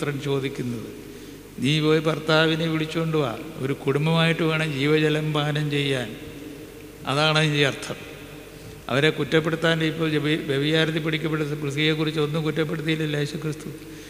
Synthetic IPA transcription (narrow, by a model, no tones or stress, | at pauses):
t̪rɐmt͡ɕo̞ːd̪ikʲːunːɐðɨ̰ | niːpo̞ːjpɐrt̪aːʋineʋiɭit͡ɕːuko̞ɳɖuʋa̰ːo̰ɾukuɽumbɐmaːjiʈːɨʋeːɳɐmd͡ʑiːʋɐd͡ʑɐlɐmbaːnɐmt͡ɕe̞jːaːn | ɐ̰ðaːɳɐnit͡ɕejɐrt̪ʰːɐm | ɐ̰ʋɐɾe̞kutːɐpːeɽut̪ːaːndipːoːɭʋeʋɐjaːɾɐt̪ːip̬ːiɽikʲːɐpːeɽuprɨsijek̬ːurit͡ɕːo̞nːɨkutːɐp̬ːe̞ɽut̪̬ːijilleːɕukrɨst̪u